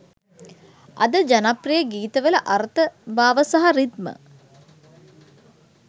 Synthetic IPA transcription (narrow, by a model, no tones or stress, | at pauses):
ɐ̰d̪əd͡ʒanaprijəɡiːt̪əʋələʔaɾt̪əbaːʋəsaɦaɾid̪mə̰